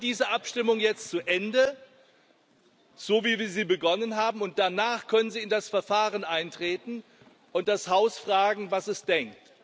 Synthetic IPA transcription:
d̥iːzəʔapʃtɪmʊŋjɛt͡stt͡suʔɛndə | z̥oːviːviːɐziːbəɡɔnənɦaːbm̩ʊnt̚d̥anaːχkʰœnənziːɪndasfɛɐfaːʁ̞ənʔaɪntʁ̥eːtn̩ | ʔʊnt̚d̥ashaʊsfʁ̥aːɡŋ̩vasɛsd̥ɛŋkt

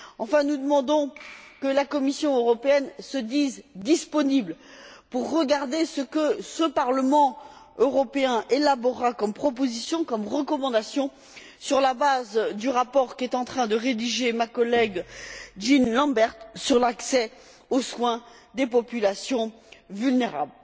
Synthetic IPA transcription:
ɑ̃fɛ̃nud̪əmɑ̃d̪ɔ̃kəlakɔmisjɔ̃øʁɔpeɛnsəd̪izd̪ispɔniblpuʁːəɡaʁd̪esəkəsəpaʁləmɑ̃ | øʁɔpeɛ̃ʔelabɔʁːakɔmpχɔp̬ozisjɔ̃kɔmʁəkɔmɑ̃d̪asjɔ̃ | syʁlabazd̪yʁapɔʁkʲɛt̪ɑ̃t̪χɛ̃d̪əʁed̪iʒemakɔlɛɡʒinlɑ̃bɛʁt̪syʁlaksɛ | oswɛ̃ | d̪epɔpylasjɔ̃ | vylneʁa̰bl

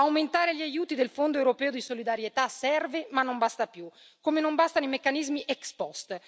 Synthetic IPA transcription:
awment̪aːɾeʎiajuːt̪id̪elfond̪oewɾopɛːod̪isolid̪aɾjet̪asɛrvemanːombast̪apju | komenombast̪anoimekːanizmiʔɛkspɔst̪

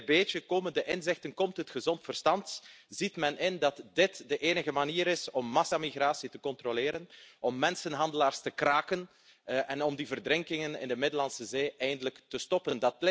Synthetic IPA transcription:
beːt͡ʃəkoːməndəʔɪnzɪxtənkɔmtɦətxəzɔntfərstɑntz̥itmɛnʔɪndɑtdɪtdəʔeːnəɣəmaniːɾɪsɔmːɑsamiɣraːsitəkɔntrolɪːɾənɔmːɛnsənɦɑndəlaːrstəkraːkən | ʔɛnɔmdivərdɾɪŋkɪŋənɪ̰ndəmɪdəlɑnsəzeːʔɛjndələktəstɔpəndɑt̚

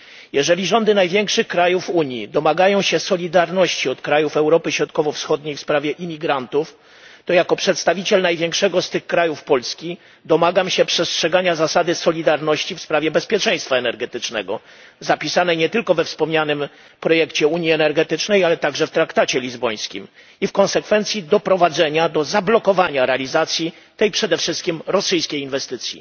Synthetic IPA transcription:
jɛʐɛlʲiʐɔnd̪ɘnajvʲjɛŋkʂɘxkɾajufuɲjid̪ɔmaɡajɔ̃w̃ɕɛsɔlʲid̪aɾnɔɕt͡ɕiɔt̪kɾajufɛwɾɔpɘɕɾɔt̪̚kɔvɔfsxɔd̪ɲejfspɾavʲjɛʔimʲiɡɾant̪uf | t̪ɔjakɔpʂɛt̪st̪avʲit͡ɕɛlnajvʲjɛŋkʂɛɡɔst̪ɘxkɾajufpɔlskʲi | d̪ɔmaɡamɕɛpʂɛstʂɛɡaɲazasad̪ɘsɔlʲid̪aɾnɔɕt͡ɕifspɾavʲjɛbɛspʲjɛt͡ʂɛj̃st̪faɛnɛɾɡɛt̪ɘt͡ʂnɛ̰ɡɔ̰ | zapʲisanɛjɲɛt̪ɘlkɔvɛfspɔmɲanɘm | pɾɔjɛkt͡ɕɛuɲjiɛnɛɾɡɛt̪ɘt͡ʂnɛjalɛt̪aɡʐɛft̪ɾakt̪at͡ɕɛlʲizbɔj̃skʲḭm | ifkɔ̃nsɛkfɛnt̪sʲjid̪ɔpɾɔvad̪zɛɲad̪ɔzablɔkɔvaɲaɾɛalʲizat̪sʲji | t̪ɛjpʂɛd̪ɛfʂɘst̪kʲimɾɔsɘjskʲejinvɛst̪ɘt̪sʲjḭ

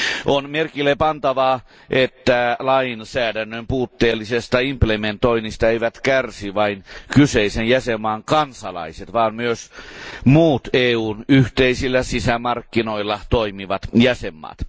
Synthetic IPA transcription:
ʔonmerkilːepɑnt̪ɑʋɑː | ʔet̪ːælɑinsæːdænːømpuːt̪ːeːlːisest̪ɑimplement̪oinist̪ɑeiʋæt̪kærsiʋɑinkyseisenjæsemːɑːŋkɑnsɑlɑ̰iset̪ʋɑːnmyøsmuːt̪eːuːnyht̪eisilːæsisæmɑrkːinoilːɑt̪oimiʋɑt̪jæsemːɑ̰ːt̪

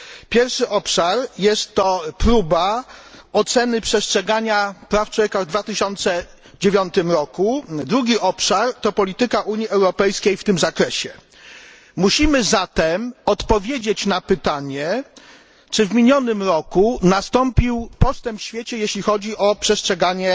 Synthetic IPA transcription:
pʲjɛɾfʂɘʔɔpʂaɾjɛst̪ːɔpɾubaɔt̪sɛnɘpʂɛstʂɛɡaɲapɾaft͡ʂwɔvʲjeɛkaɣd̪vat̪ɘɕɔnt̪sɛ | d͡ʑevʲjɔnt̪ɘmɾɔkud̪ɾuɡʲiʔɔpʂaɾt̪ɔpɔlʲit̪ɘkaʔuɲiɛwɾɔpɛjskʲejft̪ɘmzakɾɛɕɛ | muɕimɘzat̪ɛmɔt̪pɔvʲjed͡ʑet͡ɕnapɘt̪aɲɛ | t͡ʂɘvmʲiɲɔnɘmɾɔkunast̪ɔmpʲiwpɔst̪ɛmpfɕfʲjet͡ɕɛjeɕlʲixɔd͡ʑiʔɔpʂɛstʂɛɡaɲɛ

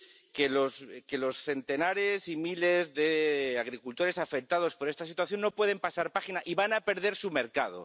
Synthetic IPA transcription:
keloskelo̞sθe̞nt̪e̞naɾe̞simile̞zðe̞aɣ̞ɾikult̪o̞ɾe̞safe̞k̚t̪að̞o̞spo̞ɾest̪asit̪waθjo̞nːo̞pwe̞ð̞e̞mpasaɾpaxinaʔiβanape̞ɾð̞e̞ɾsume̞ɾkað̞o̰

